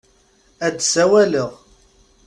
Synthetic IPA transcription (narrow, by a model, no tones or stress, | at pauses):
æd̪sæwæləʁ